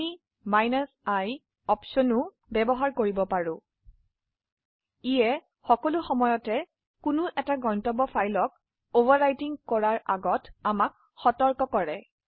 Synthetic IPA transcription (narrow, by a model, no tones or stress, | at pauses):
i | majnasaj | ɔpsɔnʊ | bɛbɔɦaɹkoɹibɔpaɹʊ̃ | ijɛ | xɔkɔlʊxɔmɔjɔtɛ | kʊnʊʔɛtaɡɔntɔbɔfʰajlɔk̚ | obaɹajtiŋkɔɹaɹʔaɡɔtamak̚ | xɔtɔɹkɔkɔɹɛ